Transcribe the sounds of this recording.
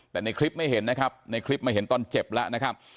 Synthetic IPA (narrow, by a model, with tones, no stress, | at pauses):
t̪ɛː˨˩na˧jkʰli˦˥p̚ma˥˩jɦe˩˦nːa˦˥kʰa˦˥p̚na˧jkʰli˦˥p̚ma˥˩jɦe˩˦nt̪ɔː˧nt͡ɕe˨˩p̚lɛ˦˥ʔna˦˥kʰa˦˥p̚